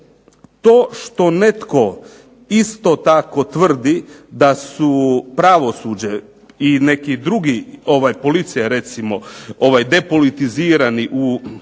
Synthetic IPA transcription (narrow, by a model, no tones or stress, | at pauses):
t̪oːʃt̪o̞ne̞t̪ko̞ | ist̪o̞t̪ako̞t̪ʋr̩d̪id̪asupɾaʋo̞sud͡ʑe | inekid̪ɾuɡio̞ʋajpo̞lit̪sijaɾe̞t̪simo̞o̞ʋajd̪e̞po̞lit̪iziːɾaniʔu